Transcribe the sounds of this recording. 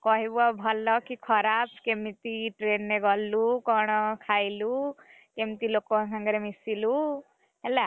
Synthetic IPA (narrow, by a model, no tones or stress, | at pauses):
kʌɦibuabʱʌlːʌkikʰʌɾab̚ʰkemit̪iʈrenːeɡʌlːukɔɽ̃ɔkʰajlu | kemt̪ilokːosaŋɡʌɾemisilu | ɦela